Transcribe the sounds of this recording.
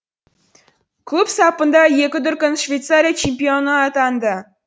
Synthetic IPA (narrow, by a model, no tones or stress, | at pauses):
kupsɑpːə̆nd̪ɑjekʲɪd̪ʊrʲkʲənʂvʲejt̪saɾʲijat͡ɕemʲpʲionəɑt̪ɑnd̪ə